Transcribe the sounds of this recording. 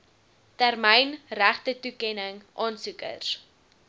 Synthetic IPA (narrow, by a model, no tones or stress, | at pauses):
tærməjnræχtətukɛnəŋʔɑːnsukə̰rs